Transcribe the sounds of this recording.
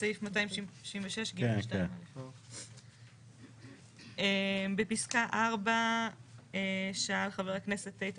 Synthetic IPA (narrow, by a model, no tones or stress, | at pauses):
sajifmataimiʃvĩmveʃeʃɡiʃktamelef | embepiskaʔaʁba | eʃaalχaveʁaknese̞tːejt